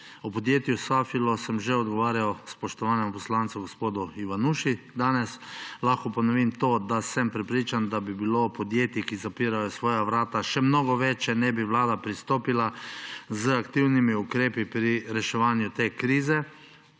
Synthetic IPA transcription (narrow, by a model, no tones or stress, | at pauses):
ɔpɔd̪jeːt̪jusafilɔsɛmʒɛɔd̪ɡɔʋaːɾjawspɔʃt̪ɔʋaːnɛmpɔslant̪suɡospoːd̪uiʋanuʃid̪aːnɛslaxkɔpɔnɔʋimt̪oːd̪asɛmpɾɛpɾiːt͡ʃand̪abibilopɔd̪jeːt̪ikizapiːɾajɔsʋɔːjaʋɾaːt̪aʃɛmnoːɡɔʋɛt͡ʃɛnɛbiʋlaːd̪apɾist̪oːpilazəakt̪iwnimiukɾeːpipɾiɾɛʃɛʋaːnjut̪eːkɾiːzɛ